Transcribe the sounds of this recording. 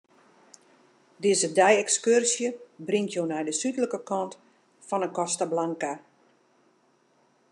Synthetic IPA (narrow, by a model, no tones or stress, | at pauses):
dɪːzədɛjɛkskørsjəbrɪŋtʰjoːnɛjdəsytələkəkɔnt | fɔnənkɔstəblaŋka